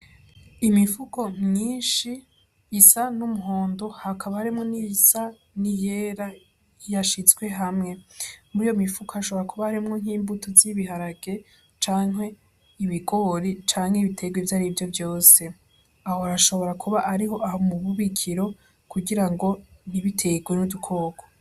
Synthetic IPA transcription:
imifuko̞mɲiːnʃiː | sanumuɦo̞ːndo̞hakʰaβahaɾimŋo̞nisa | nije̞ːɾa | jaʃizwe̞ɦamŋe̞muɾijo̞mifukoaaʃo̞βo̞ɾakʰuβahaɾimŋo̞ŋ̥iːmbutoziβiɦaɾaɡ̥e̞ | t͡ʃaːŋɦe̞ | iβiɡoɾit͡ʃaːŋ̥heiβitʰe̞ɡwevjaɾivjo̞vjo̞ːse̞ | ahoaɾaʃo̞βo̞ɾakʰuβaʔaɾiɦo̞ʔaɦomuβuβikʰiɾo̞ | kʰuɡiɾaŋɡo̞niβitʰe̞ɡwe̞nudukʰo̞ːɡo

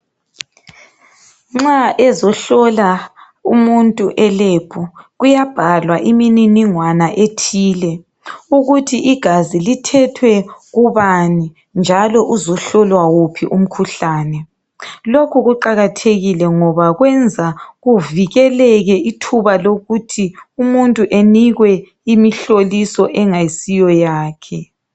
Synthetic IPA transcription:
ŋ͡ǁaʔɛzɔɬɔla | umuntʼuʔɛleb̥ʰʱɔɣujab̥ʱalwaʔimininiŋwanaʔetʰiːlɛ | uɣutʰiʔiɡ̥ʱazilitʰɛtʰwɛɣuβani | nd͡ʒʱalɔʔuzɔɬɔlwawopʰiʔum̩kʰuɬaːnɛ | lokʰuɣuǃaɣatʰeɣilɛŋɔβaɣwɛnd͡zʱaɣuviɣɛlɛɣɛitʰuβaloɣutʰiumuntʼuʔeniɣwɛ | imiɬolisɔʔɛŋaisijɔjaːkʰɛ

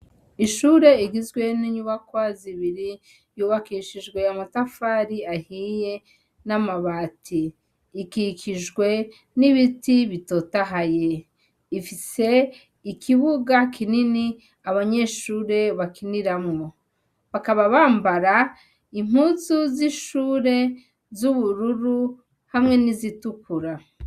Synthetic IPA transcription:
iʃuːɾe̞iɡizɡwe̞niɲuβakwaziβiɾi | juːβakiʃiʒɡwe̞jamutafaːɾiahije̞ | namaβaːtʰiː | kikiʒɡwe̞ | niβitiβitotaɦaje | ifise̞ | ikʰiβuɡakʰinini | aβaɲe̞ːʃuːɾe̞βakʰiniɾamŋo̞ | βakaβaβaːmbaɾa | im̥huzuziʃuːɾe̞ | zuβuɾuɾu | hamŋe̞nizitukuɾa

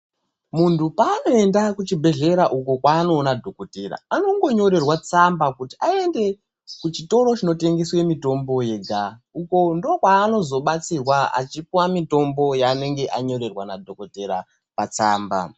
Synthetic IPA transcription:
muntʰupaːno̞e̞ndakut͡ʃibʱe̞ɮe̞ɾaʔukokwaːno̞ːnadʱo̞ko̞teɾa̰ano̞ŋɡo̞ɲo̞ɾe̞rwat͡sambakutiae̞nde̞ | kut͡ʃito̞ɾot͡ʃino̞te̞ŋɡe̞swe̞mito̞mbo̞je̞ɡʱauko̞ndokwaːno̞zo̞ɓat͡sirwaa̰t͡ʃipiwamito̞mbo̞jaːne̞ŋɡe̞ʔaɲo̞ɾe̞rwanadʱoko̞te̞ɾa̰ | pat͡saːmba̰

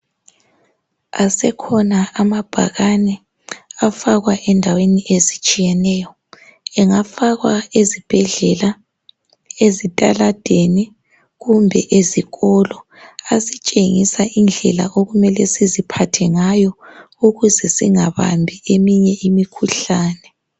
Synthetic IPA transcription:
a̰sɛkʰɔnaamab̥ʱa̰ɣanɛ | afaɣwaʔɛndʱaweniʔezit͡ʃʼijɛnɛːjɔ | ɛŋafaɣwaezib̥ʱɛɮɛla | ezitʼalad̥ʱeni | ɣumbʱɛ̰ʔeziɣɔlɔ | asit͡ʃʼeŋisaʔind͡ɮʱɛla̰ʔoɣumɛlɛsizipʰatʰɛŋajɔ | uɣuzɛsiŋaβa̰mbʱiemiɲɛʔimikʰuɬaːnɛ

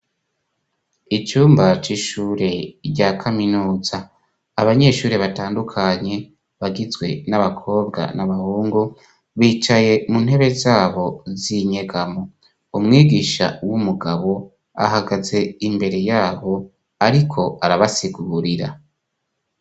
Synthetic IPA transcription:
it͡ʃuːmbat͡ʃiʃuːɾe̞ɾɟakʰaminuːz̥aː | βaɲe̞ʃuːɾe̞βataːndukʰaɲe̞ | βaɡizɡwe̞naβakʰo̞ːb̚ɡa̰naβahuːŋɡu | βiːt͡ʃaje̞mun̥ɦe̞βe̞zaːβo̞ziɲe̞ɡamo | umŋiːɡiʃa̰wumuɡaβo̞ | a̰ɦaɡaze̞imbe̞ɾe̞jaːβo̞ | aɾikʰo̞aɾaβasiɡuuɾiɾa̰

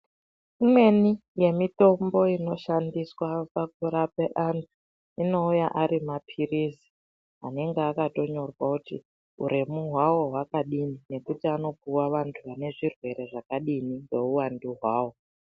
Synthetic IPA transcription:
imwe̞nije̞mito̞mbo̞ino̞ʃandiswapak̚uɾapeʔantu | ino̞ujaʔaɾimapʰirisi̥ | a̰ne̞ŋɡeakato̞ɲo̞rwakutḭ | ṵɾe̞muɦwawo̞ɦwakaɗinine̞kutiano̞puwaʋantʰuʋane̞ʐirwe̞ɾe̞ʐakaɗiniŋɡe̞uwandiɦwaːwo̞

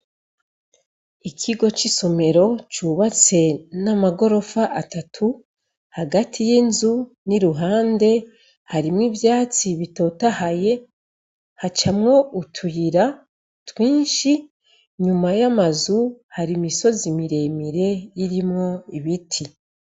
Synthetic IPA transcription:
ikʰiɡo̞t͡ʃiso̞me̞ɾo̞t͡ʃuβat͡se̞namaɡo̞ɾo̞faʔatatʰu | haɡatʰijinzu | niɾuɦaːnde̞ | haɾimŋivjaːt͡siβito̞tahaje̞ | hat͡ʃamŋo̞utʰujiɾa | twiːnʃi | ɲumajamazuhaɾimiso̞zimiɾe̞miɾe̞jiɾimŋo̞iβitʰi

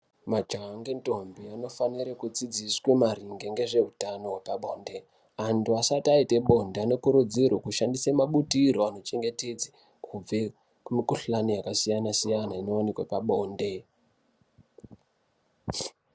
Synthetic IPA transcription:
mad͡ʒaŋɡento̞mbiano̞faniɾekud͡zid͡ziswe̞maɾiŋɡe̞ŋɡe̞ʐe̞ɦutano̞wepaɓoːnde̞ | antuasataiteɓo̞ndeano̞kuɾud͡zirwakuʃandisemaɓutiɾo̞ano̞t͡ʃe̞ŋɡe̞te̞d͡ze | kʰub͡ve | kumikuɬanijakasijanasijanaino̞onekwepaɓo̞ːnde̞

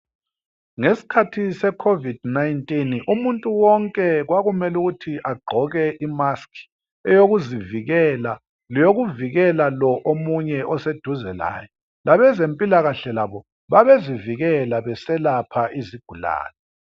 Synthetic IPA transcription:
ŋesi̥kʰatʰisɛkʰovid̥̚najntʼinumuntʼuwɔŋkʼɛɣwaɣumɛluɣutʰiʔaɡ͡ǃʱɔɣɛʔimaskʰi̥ | ɛjoɣuziviɣɛla | lijoɣuviɣɛlalɔʔomuɲɛʔɔsed̥ʱuzɛla̰ːjɔ | lʔaβɛzempʼilaɣaɬɛlaβɔ | βaβeziviɣɛlaβɛsɛlapʰaʔiziɡ̥ʱula̰ːlɛ

